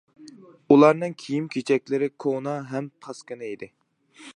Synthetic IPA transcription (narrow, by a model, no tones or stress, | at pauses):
ulˠɑɾnɨŋkʲʰijimkʲʰet͡ʃʰɛkʲlɪɾɪkʰonɑɦɛmpʰɑskɨnɨid̪ɪ